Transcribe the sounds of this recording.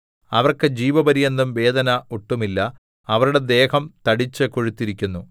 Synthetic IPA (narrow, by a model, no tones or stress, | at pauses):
ɐʋɐrkɨd͡ʑiːʋɐbɐɾijɐnd̪ɐmʋe̞ːd̪ɐnɐoʈːumilːɐ | ɐʋɐɾuɽe̞d̪e̞ːhɐmt̪ɐɽit͡ɕːɨkoɻut̪ːiɾikʲːunːu